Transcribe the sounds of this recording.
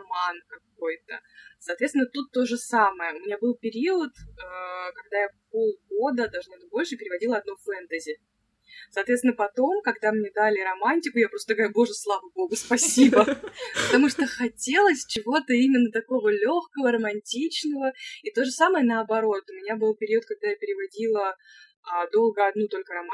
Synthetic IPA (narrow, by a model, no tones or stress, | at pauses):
mankɐk̚o̞jt̪ə̰sɐːt̪vʲet̪ʲɪnət̪ut̪ːo̞ʐɨsaməjəʊmʲɪnʲabɨlˠpʲɪɾʲiət̪əkɐɡ̚d̪ajapo̞lˠɡo̞d̪əd̪ɐlˠʐnabɨt̚ʲbo̞lʲʂɨpʲɪɾʲɪvɐdʲilˠəɐd̪nofɛnt̪əzʲɪɪ | sɐːt̪vʲet̪ʲɪnːəpɐt̪o̞mkɐɡd̪amnʲed̪alʲɪɾɐmanʲtʲɪkʊjapɾost̪əɡəvɾjubo̞ʐɨslˠavəbo̞ɡʊspɐsʲibəpət̪ɐmuʂt̪əxɐtʲe̞lˠəsʲt͡ɕɪvo̞t̪əimʲɪnːət̪ɐko̞vəlʲo̞xkəvəɾəmɐnʲtʲit͡ɕnəvəit̪o̞ʐɨsaməjənəɐbɐɾo̞t̪ʊmʲɪnʲabɨlˠpʲɪɾʲiʊət̪̚kɐɡ̚d̪ajapʲɪɾʲɪvɐdʲilˠəː | d̪o̞lˠɡəɐd̪nut̪o̞lʲkəɾɐma